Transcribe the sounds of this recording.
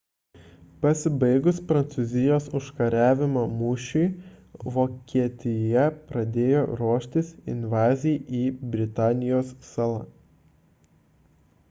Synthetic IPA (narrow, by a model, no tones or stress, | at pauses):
pɐsʲɪbɐɪɡʊspɾɐnt̪sʊzʲɪjoːsʊʃkɐɾʲæːʋʲɪmoːmʊʃʲuɪʋoːkʲiɛt̪ʲɪjɛpɾɐd̪ʲeːjo̰ːɾuɔʃʲt̪ʲɪsɪ̰nʲʋɑːzʲiʔiːbʲɾʲɪt̪ɑːnʲɪjoːssɑːlˠɐ̰